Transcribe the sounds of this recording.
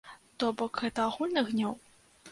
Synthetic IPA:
t̪ɔbɔkɣɛt̪ɐaɣulʲnɨɣnʲɔw

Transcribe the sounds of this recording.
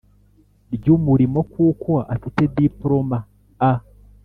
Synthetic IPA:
ɾɟumuɾimo̞kuːkaʔafitedipɾoma | a

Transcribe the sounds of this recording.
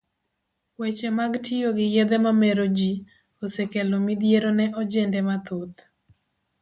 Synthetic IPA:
wet͡ʃemaɡtɪjoɡɪjed̪ɛmameɾod͡ʒi | osekelomid̪jeɾonɛʔɔd͡ʒɛndɛmat̪ot̪

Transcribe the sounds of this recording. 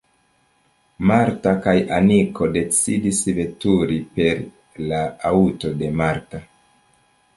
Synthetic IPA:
maɾtakajanikʰo̞de̞t͡sidisve̞tuɾipe̞ɾ | laauto̞de̞maɾta

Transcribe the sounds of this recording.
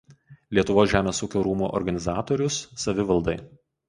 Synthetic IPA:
lʲiɛt̪ʊʋoːsʲʒʲæːmʲeːsuːkʲoːɾuːmṵːʔɔ̰ɾɡɐnʲɪzɑːt̪oːɾʲʊsːɐʋʲɪʋɐlˠd̪ɐɪ

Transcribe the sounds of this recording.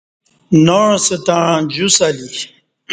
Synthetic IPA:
noɻset̪ãːd͡ʑusali

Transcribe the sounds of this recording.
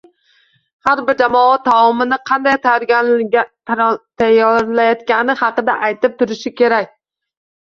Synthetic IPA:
haɾbɪɾd͡ʒamɒat̪ʰːawɒmɪnɪqʰɑnd̪ajt̪ʰajɒɾɡʲaa | t̪ʰajɒɾlajɒt̪kʲanɪhɑqɨd̪aʔajt̪ɪp̚t̪ʰʊɾɪʃɪkʲʰe̞ɾak̚ʲ

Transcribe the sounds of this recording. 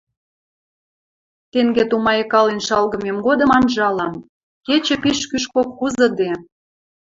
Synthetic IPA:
t̪eŋɡet̪umɑjekɑlenʃɑlɣɤ̆memɡod̪ə̆mɑnʒɑlɑm | ket͡ɕĕpiʃkyʃkokxuzə̆d̪e

